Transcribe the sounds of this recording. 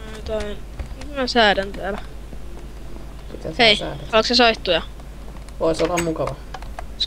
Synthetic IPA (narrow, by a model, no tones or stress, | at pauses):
ænyt̪oint̪mæsæːdænt̪æl | pit̪æseisæ̰ːdæɑlksesoit̪ːujɑ | ʋoisolːɑmmukɑʋɑ | s